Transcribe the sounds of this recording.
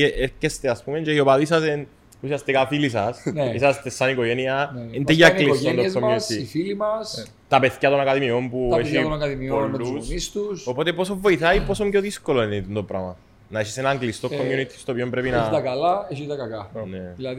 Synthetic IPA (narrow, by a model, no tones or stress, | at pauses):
eʔeɾçest̪easpumend͡ʒeiopaðisɐsen | usiast̪ekafilisɐsnisast̪esːanikoʝenianent̪eʝaliond̪oezkomjut̪iifilimɐs | t̪apeθcat̪onakaðimiompueʃit̪onakaðimiolːusmist̪usopot̪eposovːoiθaiposomceoðiskolonit̪nt̪opɾa̰mɐ̰ | naiʃisenaŋɡlist̪okkːomjunit̪ʰi̥st̪opiompɾepinat̪ɐkalaeʃit̪ɐkɐkanelɐ